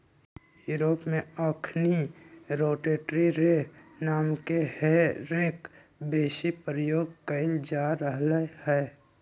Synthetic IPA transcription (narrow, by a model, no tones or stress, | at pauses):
juːɾoːpmẽaːkʰniɾoːʈeːʈɾiɾenaːmkeheɾeːk | beːʃipɾəjoːɡkəɪld͡ʒaɾəɦlehɛː